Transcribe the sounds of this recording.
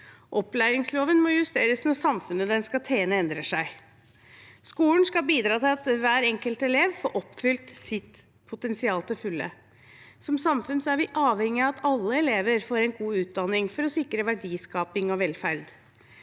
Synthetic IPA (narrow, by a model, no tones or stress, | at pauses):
ʔɔplæːɾɪŋsloːʋənmɔjʉst̪eːɾəsnɔsɑmfʉnəd̪ɛnskɑt̪ʰeːnəɛnd̪ɾəʂæɪ | skuːln̩skɑbiːd̪ɾɑːt̪ɪlɑt̪ʋæːɾɛŋkəlt̪ɛleːʋfoːɾʔɔpːfʏlt̪sɪt̪ | pʰʊt̪ɛnsɪɑːlˠt̪ʰɪlfʉlːə̰ | sɔmsɑmfʉnsɔæɾʋɪʔɑːʋhɛŋːɪɑɑt̪ʰɑlːəɛleːʋəɾfoːɾɛnɡuːʉːt̪̚d̪ɑnːɪŋfɔɾɔsɪkːɾəʋæɖiːskɑːpɪŋɔʋɛlfæɾd̪